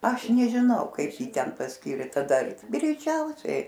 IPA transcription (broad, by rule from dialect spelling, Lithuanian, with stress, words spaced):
ˈɐʃ nʲɛʒʲɪˈnɐʊ ˈkɐɪp ˈjiː tʲɛn pɐsʲˈkʲiːrʲeː tɐˈdɐ ɡrʲɛɪˈt͡ʃʲɛʊsʲɛɪ